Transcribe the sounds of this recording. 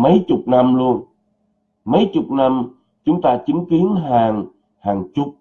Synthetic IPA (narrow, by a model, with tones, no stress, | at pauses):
mə˨˦jt͡ɕʊ˨˩k͡p̚na˧mlu˧ən | mə˨˦jt͡ɕʊ˨˩k͡p̚na˧m | t͡ɕʊ˨˦ŋ͡mt̪aː˧t͡ɕï˨˦ŋ̟ki˨˦ənɦaː˨˩ŋ | haː˨˩ŋt͡ɕʊ˨˩k͡p̚